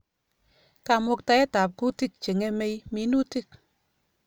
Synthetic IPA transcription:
ka˨mo˧k̚ta˨e˦ta˨p̚ku˦ti˦k̚t͡ʃe˨ŋe˦me˧jmi˨˦nu˦ti˦˨k̚

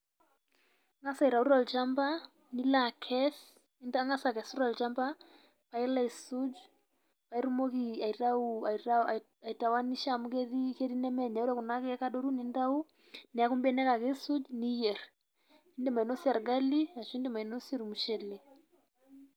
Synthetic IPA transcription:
ŋa˦sa˨i˨ɾa˨u˦ɾɔ˨lt͡ʃa˦mba˦ | ni˦la˨kʰɛs | ndaŋa˦sa˨kɛsu˦ɾɔ˨lt͡ʃa˦mba˦ | pa˦i˦la˦˨su˦d͡ʒ | pa˨i˦ɾumɔ˦kia˨iɾa˦uɾa | aita˨wa˦ni˦ʃamukɛ˦ði˦kɛ˦ɾi˦nɛ˦mɛ˨ɲa˨u˦ɾa˦ku˨na˦kɛ˦ka˦ɗɔ˦ɾu˦ni˦nda˦u˦ | nɛ˨a˦ku˦mbɛ˦nɛ˦ka˨ke˦su˦d͡ʒni˦jɛr | i˦ndɛ˦ma˨i˨nɔ˦si˦a˨ɾɡa˦li˦a˨ʃɔ˦i˦ndɛma˨inɔ˦sɛ˦ɾu˨mu˨ʃɛ˦le˨

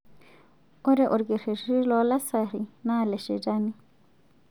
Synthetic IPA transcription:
ɔ˦ɾɛʔɔ˨ɾɡi˨ɾi˨ɾi˦lɔla˦saɾina˦lɛ˨ʃɛd͡ʒani˦

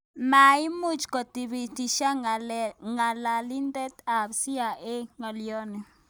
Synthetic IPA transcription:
ma˨ɪ˦mu˦t͡ʃkɔ˨ti˨bi˨ti˨ʃa˦ | ŋa˨la˨li˦ndɛ˦t̪a˨bsi˦a˨ʔe˦ŋɔ˨ljɔ˦ne˨

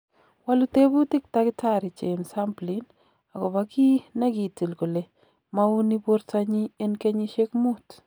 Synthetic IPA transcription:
wa˦lu˦te˦bu˦tɪ˦k̚ta˦kɪ˦ta˨ɾɪ˨t͡ʃe˨msa˦mplin | a˨ɡɔ˨ba˦ki˦na˦ɡi˨ti˨lko˨le˨ | ma˦u˦ni˦bo˦ɾta˦ɲi˦e˦nke˦ɲi˦ʃe˦kmu˦t

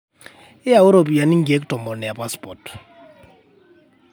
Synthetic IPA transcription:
ɪ˦ja˨ʊ˦ɾo˨pi˨ja˨ni˦ŋ̩˦ɡi˨e˦ktʼɔ˨mbɔ˨nɛ˨ja˨pwa˦spɔ˨t

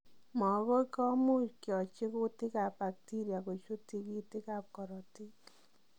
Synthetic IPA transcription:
mɔ˨˦kɔ˦kɔ˦mo˦kjɔ˨t͡ʃɪ˦ko˦tɪ˦ka˨pba˨k̚ti˦ɾja˨ko˨t͡ʃo˦ti˦ki˦tɪ˦ka˨p̚kɔ˨ɾɔ˨ti˦k

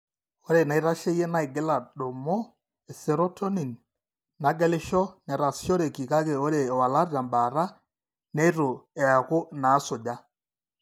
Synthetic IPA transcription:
o˦ɾe˨na˨i˦ɾa˦ʃe˦jɛ˦na˦i˨ɡɪ˦la˨ɗo˨mɔ˦ | ɛ˨sɛ˨ɾo˦tʰo˦ni˨nː | a˨ɡɛ˦lɪ˦ʃɔ˦nɛ˨ɾa˨sʃɔ˦ɾe˨ki˨ka˦ke˨o˦ɾe˨wa˨la˦ɾja˨mba˨ɾa˦ | nɛ˦ɾo˨ɛ˨a˨kʊ˦na˨˦sʊ˨ɟa˦

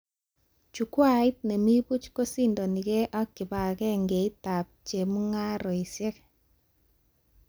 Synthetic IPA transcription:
t͡ʃu˨kwa˦˨ɪ˦t̚nɛ˨mi˦bu˦t͡ʃko˦si˦ndɔ˨ni˨ɣɛ˦ʔa˦kːɪ˨ba˨kɛ˦ŋɡe˨i˦ta˨p̚t͡ʃe˨mu˦ŋa˦ɾɔ˨i˨sɛ˦k

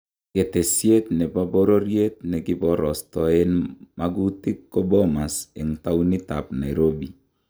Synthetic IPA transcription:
ke˨te˨sje˦tnɛ˨pa˦bɔ˦ɾo˦ɾje˦t̚nɛ˨ki˦bɔ˦ɾɔ˨stɔ˨e˦nma˦ɡu˦ti˦kːɔ˦bɔ˦ma˨se˨ŋta˦u˦ni˦ta˨pna˨jɾo˦bi˨

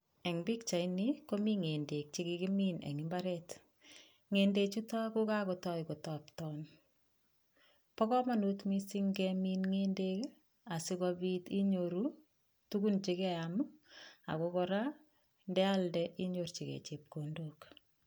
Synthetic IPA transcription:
ɛ˨ŋbi˦kt͡ʃa˨iniko˦mi˦ŋe˨nde˨k̚t͡ʃi˦kikimi˦nḛ˨ŋɪmba˦ɾɛt | ŋendet͡ʃu˦tɔ˦ku˦ka˦kɔtɔ˦jko˨tɔptɔn | pɔ˦kɔ˦manu˦tmi˦si˦ŋɡɛminŋende˦k | a˨si˦kɔbiti˦ɲoɾu | tu˦ku˦nt͡ʃikɛamʊ˦a̰˨kokɔɾa˦ | ndɛ˦aldɛʔi˦ɲo˨rt͡ʃi˨kɛ̰˨t͡ʃe˨p̚kondok

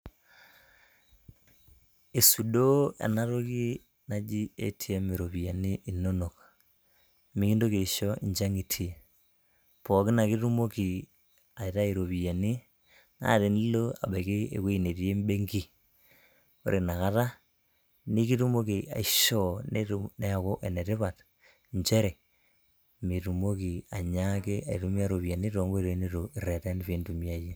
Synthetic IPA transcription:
e˨su˨do˦a̰˨na˦ɾo˦ki˦ | na˦d͡ʒi˦ḛ˦tʰi˦a˦me˨ɾo˨βi˨a˨ni˦ʔi˨no˦no˨k | mi˨˦ki˦ndo˦ke˨ʃɔ˦i˨ɲd͡ʒa˦ŋi˨tʰi˨e˨ | pɔ˨ki˦na˨ki˦ɾu˦mo˦ki˨ | a˨i˨ɾa˦e˨ɾo˨βi˨a˨ni˦ | ŋa̰˨˦˨te˨n˦lo˦a̰˨be˨ki˦ḛ˨ke˦i˨ne˨tje˦mbe˦ŋɡi˦ | o̰˨ɾʔe˨na˨ka˦ta˦ | ni˦ki˦tu˦mo˦ki˨a̰˨i˨ʃɔ˦ne˦ne˦a˨ko˦ʔe˨ne˨te˦βa˨t | ɲt͡ʃe˦ɾe˨ | mi˨tu˨mo˦ki˨a˨ɲa˦ke˦a̰˨ḭ˨tu˦mi˦a˦ɾo˨βi˨ja˨ni˦to˨ŋɡɾo˨i˦ne˦to˨i˨ɾe˨te˦n˦fe˨˦ntu˨mi˦a˦˨je˦

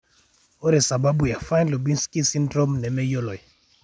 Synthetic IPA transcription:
o˦ɾe˨sa˨ba˦bu˨ja˨fa˦nlo˨bi˦nski˦si˦ndɾo˦mnɛ˨mɛ˦jo˦lɔ˨

